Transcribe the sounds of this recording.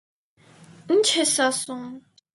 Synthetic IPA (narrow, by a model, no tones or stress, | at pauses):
n̩t͡ʃʰɛsasuŋ